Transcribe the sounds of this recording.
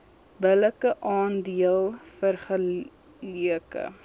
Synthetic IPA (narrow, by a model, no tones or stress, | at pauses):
bələkəʔɑːndiəlˠfərχə | liəkə̰